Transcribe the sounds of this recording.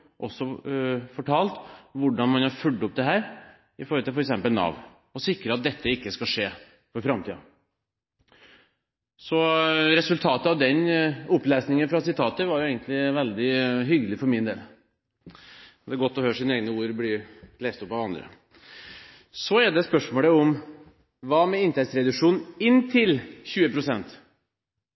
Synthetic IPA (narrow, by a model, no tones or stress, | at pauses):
ʔɔsːɔfɔʈʰɑːlt̪ʋʊɖɑnmɑnhɑɾfʉlɖɔp̚d̪ɛɦæːɾ | ɪfɔɾɔt̪ʰɪlfɔɾɛksɛmpəlnɑ̰ʋn | ɔsɪkɾəɑt̪̚d̪ɛt̪ʰːəɪkːəskɑʂeː | fɔɾfɾɑmt̪ʰḭːɑ̰ | sɔɾɛsʉlt̪ʰɑːt̪əɑʋd̪ɛnʊplɛːsnɪŋənfɾɑsɪt̪ʰɑːt̪əɾʋɑɾjʊeːɡənt̪lɪʋɛld̪ɪɦʏɡəlɪfɔɾmɪnd̪ḛːl | d̪ɛæɾɡɔt̪ːɔhøːʂiːneːɡnəuːɾblɪleːst̪ɔpːɑʋɑnd̪ɾə̰ | sɔæɖɛspœʂmoːləʊm | ʋɑːmɛɪnt̪ɛk̪sɾɛd̪ʉʂuːnnɪnːt̪ʰɪlçʉːəpʰɾʊsɛnt̪